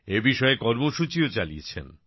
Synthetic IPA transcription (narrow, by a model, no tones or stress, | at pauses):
ebiʃɔekɔɾmoʃut͡ɕiot͡ɕalḭet͡ɕʰḛn